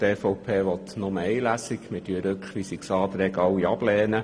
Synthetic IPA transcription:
t̪eːfɔʊpʰeːʋɔt̪nɔməɛjlæsikmɪtyəɾøkχʋisiksɑːt̪ɾɛɡɑwiɑblɛːnə

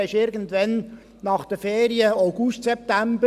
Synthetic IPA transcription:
ɪʃɪɾɡən̩tvɛn | nɑχd̥əfeːɾiəaʊɡʊʃtsɛp̚tæmbə

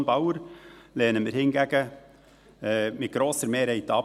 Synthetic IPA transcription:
nbɑʊəɾlɛːnəmɪɾhɪnɡæɡ̥ə | ɛmɪt̪̚ɡ̥ɾoːsəɾmeːɾhɛɪt̪ːɑː

